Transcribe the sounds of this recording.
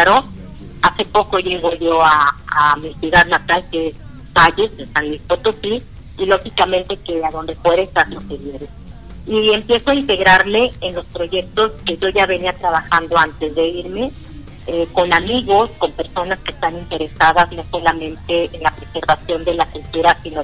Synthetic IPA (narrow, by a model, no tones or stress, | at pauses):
aɾo | ase̞po̞ko̞ʝeɣoʝo̞aːmisuðaðnat̪alke | faʝesest̪anmisfot̪o̞siː | lo̞xikamẽ̞nt̪e̞ke̞aðo̞nd̪e̞pwe̞ðest̪aɾlo̞keβje̞ɾe | iempje̞soaint̪e̞ɣɾaɾme̞enlo̞spɾo̞ʝe̞k̚t̪o̞ske̞ʝo̞ʝaβe̞niat̪ɾaβaxand̪o̞ant̪e̞zðe̞iɾme̞ | eko̞namiɣo̞sko̞mpe̞ɾso̞naske̞st̪anint̪e̞ɾe̞sað̞azno̞so̞lamẽ̞nt̪e̞ːnlapɾe̞se̞ɾβasjo̞nd̪e̞lakult̪uɾasino